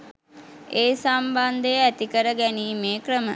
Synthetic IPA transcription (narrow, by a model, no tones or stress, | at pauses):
eːsamband̪əjəæt̪ikəɾəɡæniːmeːkrəmə̰